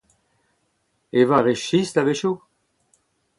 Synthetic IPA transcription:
evaʁeʃisd̪aveʃu

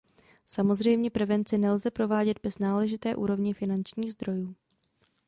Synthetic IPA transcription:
samo̞zr̝ɛjmɲɛpɾɛvɛnt͡sɪnɛlzɛpɾo̞vaːɟɛd̪̚bɛznaːlɛʒɪt̪ɛːʔuːɾo̞vɲɪfɪnant͡ʃɲiːɣzd̪ɾo̞juː

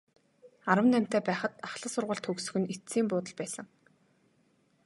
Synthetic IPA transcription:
aɾwə̆næm̥ʲt̪eːpæːχə̆t̪aχɮə̆sʊrʁə̆ɬt̪ʰɵksɵ̥̆xɵ̆nit̪t͡siːmpʊːt̪ə̆ɮpæːsə̆ŋ

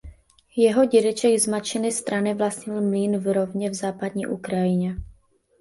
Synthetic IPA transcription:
jɛɦoɟɛdɪt͡ʃɛɡzmat͡ʃɪnɪst̪ɾanɪvlast̪ɲɪlmliːnvɾovɲɛvzaːpad̪ɲḭːʔukɾajɪɲɛ

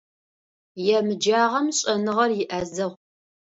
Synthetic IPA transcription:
jɛmɨd͡ʒaːʁɐmɕʼɐnɨʁɐrjɪʔɐzɐʁʷ

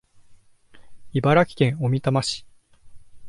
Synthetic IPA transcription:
ibaɾakʲi̥kẽ̞ɰ̃omʲit̪amaɕi̥

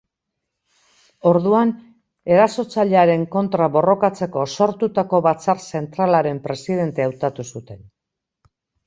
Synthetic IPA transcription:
o̞ɾðuan | e̞ɾaso̞t͡saʎeaɾe̞ŋko̞nt̪ɾaβo̞ro̞kat͡se̞ko̞so̞ɾt̪ut̪ako̞βat͡saɾse̞nt̪ɾalaɾe̞mpɾe̞siðe̞nt̪e̞awt̪at̪usut̪e̞n

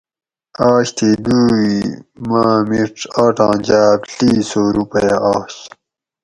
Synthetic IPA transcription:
aːɕt̪ʰiːd̪uːimamiʈ͡ʂaːʈãːnʲd͡ʑaːbɬiːsoːɾupɐjaʔaːɕ

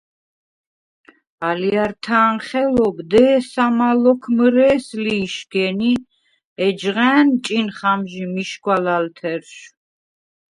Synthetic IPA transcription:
aliaɾt̪ʰaːnχɛlɔbd̪ɛːsamalɔkʰmɾɛːsliːʃɡɛni | ɛd͡ʒʁɛːnt͡ʃʼinχamʒimiʃkʼwalalt̪ʰɛɾʃ

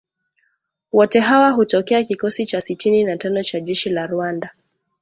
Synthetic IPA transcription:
wɔtɛɦawaɦutɔkɛakikɔsit͡ʃasitininatanɔt͡ʃaʄɛʃilaɾuanda

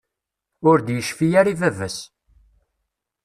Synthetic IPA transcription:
ʊɾd̪jəʃfijæɾivævəs

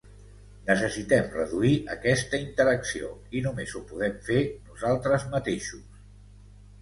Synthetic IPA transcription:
nəsəsit̪ɛmrəðuiʔəkɛst̪əint̪əɾəksio̰inumezupuðɛmfenuzalˠt̪ɾəzmət̪eʃus

